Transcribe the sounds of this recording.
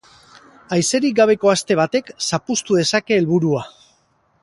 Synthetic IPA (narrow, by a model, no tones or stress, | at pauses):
ajse̞ɾik̚ɡaβ̞e̞ko̞ast̪e̞β̞at̪e̞ksapust̪uð̞e̞sake̞ːlβuɾua